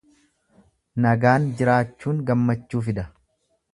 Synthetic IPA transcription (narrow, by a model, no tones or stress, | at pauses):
nɐɡaːnd͡ʒɪɾaːt͡ʃːuːŋɡɐmːɐt͡ʃːuːfɪd̪ɐ